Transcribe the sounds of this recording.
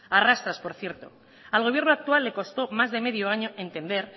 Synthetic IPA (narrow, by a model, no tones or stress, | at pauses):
arast̪ɾaspo̞ɾθje̞ɾt̪o̞ | alɣ̞o̞β̞je̞ɾnoak̚t̪ualːe̞ko̞st̪o̞mazðe̞me̞ð̞jo̞aɲo̞ʔe̞nt̪e̞nd̪e̞ɾ